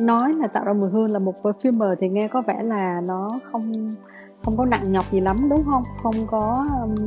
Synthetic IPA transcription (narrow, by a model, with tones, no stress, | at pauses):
nɔ˨˦jlaː˨˩t̪a̰ː˧˨wzaː˧mɨ˨˩ɦɨ˧ənlaː˨˩mo˨˩t̚vəː˨˩fi˧mːəː˨˩t̪ʰi˨˩ŋɛ˧kɔ˨˦vɛ̰˧˩laː˨˩nɔ˨˦xə˧wŋ͡m | xə˧wŋ͡mkɔ˨˦na̰˧˨ŋɲɔ˨˩p̚zi˨˩la˨˦mɗʊ˨˦ŋ͡mɦə˧wŋ͡mxə˧wŋ͡mkɔ˨˦˧